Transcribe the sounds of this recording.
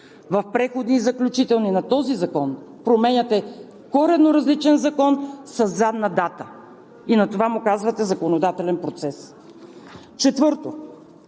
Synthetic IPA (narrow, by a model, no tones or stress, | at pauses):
vɐfpɾɛxod̪nizɐklʲut͡ʃit̪ɛlˠninɐt̪ɔzizɐkɔn | pɾomɛnʲɐt̪ɛ | kɔɾɛd̪noɾɐzlit͡ʃɛnzɐkɔnsɐzːad̪nɐd̪at̪ə | inɐt̪ovamukazvɐt̪ɛzɐkonod̪at̪ɛlɛnpɾot̪sɛs | t͡ʃɛt̪vɤɾt̪o